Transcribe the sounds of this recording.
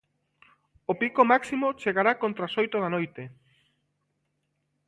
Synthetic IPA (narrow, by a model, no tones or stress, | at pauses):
opikomaksimot͡ʃeɣaɾakõnt̪ɾasojt̪oðanojt̪e